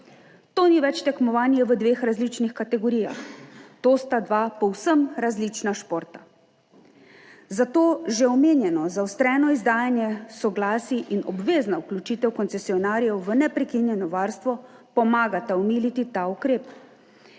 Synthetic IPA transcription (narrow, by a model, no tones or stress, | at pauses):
t̪oːniʋɛt͡ʃt̪ɛkmɔʋaːnjɛʋəd̪ʋeːxɾazlit͡ʃnixkat̪ɛɡɔɾija̰xt̪oːst̪ad̪ʋaːpɔwsəmɾazlit͡ʃnaʃpoːɾt̪a | zat̪oːʒɛɔmeːnjɛnɔzawst̪ɾɛːnɔizd̪aːjanjɛsɔɡlaːsiʔinɔ̰bʋeːznauklʲut͡ʃiːt̪ɛwkɔnt̪sɛsiɔnaːɾijɛwʋənɛpɾɛkinjɛnɔʋaːɾst̪ʋɔpɔmaːɡat̪aɔmiːlit̪it̪aukɾeːp